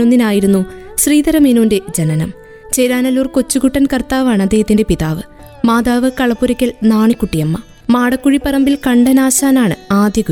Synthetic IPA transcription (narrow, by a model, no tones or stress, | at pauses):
onːinaːjiɾunːuɕriːd̪ɐɾɐmenunded͡ʑɐnɐnɐm | t͡ɕejɾaːnɐluːrko̞t͡ɕːuɣuʈːɐnkɐrt̪aːʋaːɳɨɐd̪ːeːhɐt̪ːinde̞piðaːʋɨ | maːd̪aːʋɨkɐɭɐpːuɾɐkʲːɐlnaːɳikːuʈːijɐmːɐ | maːɽɐkːuɻipːɐrɐmbilkɐɳɖɐnaːɕaːnaːɳɨ̰aːd̪jɐɣu